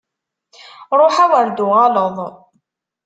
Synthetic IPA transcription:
ɾˤoħawəɾd̪ʊʁɑləðˤ

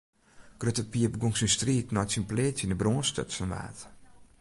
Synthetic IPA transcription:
ɡ̥røtəpiəpɡoŋsinstriːtnɔjtsinpleːtənəbroːnstø̰tsənʋa̰ːt

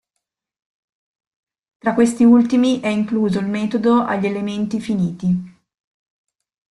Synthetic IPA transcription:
t̪ɾakwest̪iult̪imiʔɛiŋkluːzoilmeːt̪od̪oʔa̰ʎːelement̪ifiniːt̪i

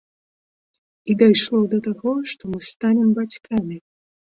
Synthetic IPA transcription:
id̪ajʂlˠɔd̪ɐt̪aɣɔʂt̪ɔmɨst̪anʲɛmbat͡sʲkamʲi

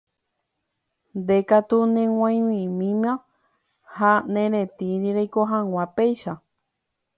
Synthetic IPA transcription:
nd̪ekat̪unẽw̃ʷãj̃wĩmĩmã | hanẽɾẽt̪iɾiɾejkoɦãwʷãpejʃa

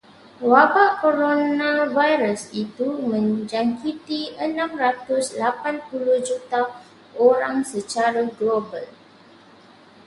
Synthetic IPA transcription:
wabaʔkoɾonãvajɾəsit̪umə̃nd͡ʒaŋkit̪iənãmrat̪uslapãnpuluhd͡ʒut̪a | oɾãŋsət͡ʃaɾaɡlobal

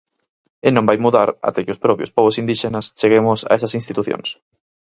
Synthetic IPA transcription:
ɪnõmbajmuðaɾa̰t̪ɛkɪospɾɔpɾjo̰spɔβʊsind̪iʃenɐst͡ʃeɣemʊsa̰esɐsinst̪it̪uθjõ̰ŋs

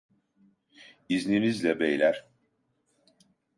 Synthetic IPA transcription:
izninizlʲɛbejlʲæɾ̥

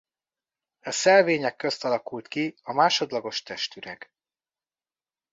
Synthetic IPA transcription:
ɒsɛlveːɲɛkːø̞st̪ɒlɒkult̪kiɒmaːʃo̞d̪lɒɡo̞ʃt̪ɛʃt̪yɾɛ̰ɡ

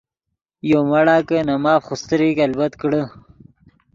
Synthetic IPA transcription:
jomaɽaːkənɐmaːfxust̪əɾikalbɐt̪kɽə

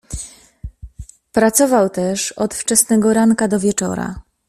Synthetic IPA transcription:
pɾat̪sɔvawt̪ɛʂɔt̪ft͡ʂɛsnɛɡɔɾaŋkad̪ɔvʲjɛt͡ʂɔ̰ɾa̰

